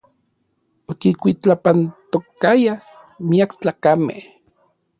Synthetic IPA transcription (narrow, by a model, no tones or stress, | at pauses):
okikʷit͡ɬapant̪okaja | miakt͡ɬaːkamḛh